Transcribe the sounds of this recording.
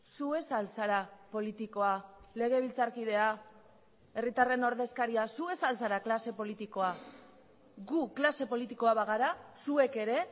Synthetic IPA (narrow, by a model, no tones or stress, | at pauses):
sue̞salsaɾapo̞lit̪iko̞ale̞ɣ̞e̞β̞ilt͡saɾkiðe̞a | e̞rit̪are̞no̞ɾðe̞skaɾiasue̞salsaɾaklase̞po̞lit̪iko̞a | ɡuklase̞po̞lit̪iko̞aβaɣ̞aɾasue̞ke̞ɾe̞